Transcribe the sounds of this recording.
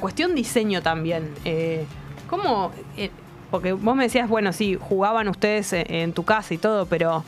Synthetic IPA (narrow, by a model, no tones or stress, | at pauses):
kwest̪jo̞nd̪ise̞ɲot̪ambje̞neko̞mo̞e | po̞ɾke̞βosme̞ðesiazβwe̞no̞sixuɣaβanust̪eðeseʔent̪ukasait̪o̞ð̞opeɾo